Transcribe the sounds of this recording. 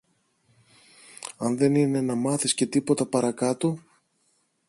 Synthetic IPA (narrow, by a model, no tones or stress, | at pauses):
ɐnðe̞nine̞nɐmɐθisce̞t̪ipo̞t̪ɐpɐɾɐkɐt̪o